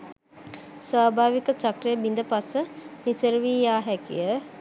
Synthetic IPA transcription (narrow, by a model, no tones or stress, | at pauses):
sʋaːbʱaːʋikət͡ʃakrəjəbind̪əpasənisəɾʋiːjaːɦɛkḭjə